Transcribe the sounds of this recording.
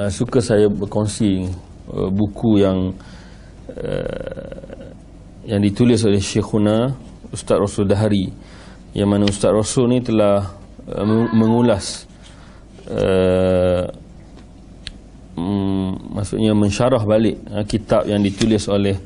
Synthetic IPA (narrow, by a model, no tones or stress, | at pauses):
əsukasajabərkonsi | ə̰bukʰujaŋ | ə̰ | jaŋdit̪ulɪs̬olɛhʃexuna | ust̪at̪̚rosuldaɦaɾi | jamãnaust̪at̪rosʊlnĩt̪əlah | ə̰mə̃ŋulas | ə̰ | masṵʔɲamə̃ɲʃaɾahbalɪʔ̚əkit̪ap̚jaŋdit̪ulɪsolɛh